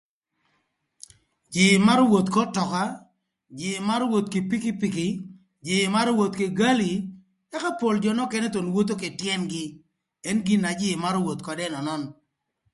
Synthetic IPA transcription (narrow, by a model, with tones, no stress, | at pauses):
d͡ʒɪ˨ma˦ɾwo˨t̪kɔ˦tɔ˨ka˦ | d͡ʒɪ˨ma˦ɾwo˨t̪̚ke˨pi˦kɪ˦pi˨kɪ˦ | d͡ʒɪ˨ma˦ɾwo˨t̪ke˨ɡa˦li˨ | ɛ˦ka˦po˨ld͡ʒɔ˨nɔ˦kɛ˦nɛ˦t̪o˨nwo˦t̪o˦ke˨tjɛ˦nɡɪ˦ | ɛ˦nɡɪ˦na˨d͡ʒɪ˦˨ma˦ɾwo˨t̪kɔ˨dɛ˦nɔ˨nɔ˦n